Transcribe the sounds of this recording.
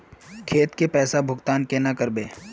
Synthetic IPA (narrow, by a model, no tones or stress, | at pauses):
kʰeːt̪kepɛːsabʱʊɡt̪aːnkenakəɾbeː